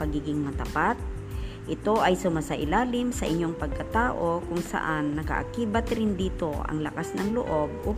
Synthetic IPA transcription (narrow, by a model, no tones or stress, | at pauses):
pɐɡiːɡɪŋmɐt̪ɐpat̪̚ | ʔɪt̪o̞ʔɐjsʊmaːsaʔɪlaːlɪmsɐʔɪɲːoŋpɐɡ̚kɐt̪aːʔo̞kʊŋsɐ̰ʔanːɐkɐ̰ʔa̰kiːbɐt̪ɾɪnd̪iːt̪o̞ʔɐ̰ŋlɐkasnɐŋlʊ̰ʔo̞b̚o